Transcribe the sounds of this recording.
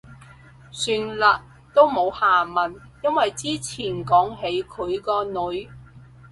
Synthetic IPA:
syː˧nlɐ˨˧t̚ | t̪o˥wmo˨˧whaː˨˩mɐ˨˩n | jɐ˥nwɐ˨jt͡siː˥t͡sʰiː˨˩nkɔː˨˥ŋɦe˨˥jkʰɵ˨˧ɥkɔː˧nɵ˨˥ɥ

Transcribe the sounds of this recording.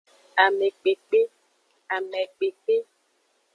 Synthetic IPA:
a˨mɛ˨k͡pe˨k͡pe˦ | a˨mɛ˨k͡pe˨k͡pe˦

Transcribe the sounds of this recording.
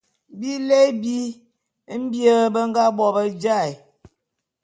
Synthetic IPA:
bi˦le˦bi˦ | m̩˦bjə˦bə˦ŋ˦ɡa˦bɔ˨bə˦d͡ʒa˦˨j

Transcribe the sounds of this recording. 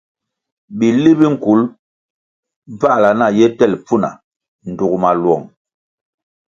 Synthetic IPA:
ɓi˨li˦bi˦ŋ̩˨ku˨˦l | b͡va˦ʔla˨na˦˨jɛ˦tɛ˦˨lp͡fu˦˨na̰˨ | n̩˨du˨kma˨lwɔ˨ŋ

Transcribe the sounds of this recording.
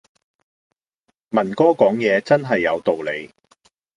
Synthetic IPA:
mɐ˨˩nkɔː˥kɔː˨˥ŋjɛː˨˧t͡sɐ˥nɦɐ˨jːɐ˨˧wt̪o˨wle˨˧j

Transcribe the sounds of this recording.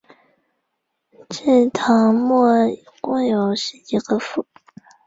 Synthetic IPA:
ʈ͡ʂə˥˩nt̪ʰɑ˧˥ŋmɔ˥˩˨ | kʊ˥˩ŋjo˨˩ʊʂɻ̩˥˩i˧˥ɡə˧fu˥˩

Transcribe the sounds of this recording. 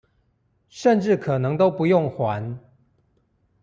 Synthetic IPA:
ʂə˥˨nʈ͡ʂɻ̩˥˩kʰɤ˨˩nɤ˧˦ŋt̪o˥ʊpu˧˦jʊ˥˨ŋxwa˧˦n

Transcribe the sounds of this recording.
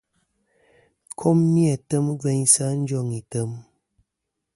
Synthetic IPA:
kʰo˦mːi˦a˨tə˦m˦vɛ˦ɲsa˦n̩˦d͡ʒɔ˦˨ŋi˨tə˦m

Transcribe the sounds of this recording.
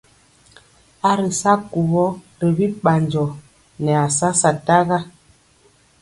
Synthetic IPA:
a˦ɾə˨sa˦ku˨ɣɔ˦ | ɾə˨bi˦pa˨nd͡ʒɔ˨ | nɛ˨a˨sa˦sa˨ta˦ɣa˦

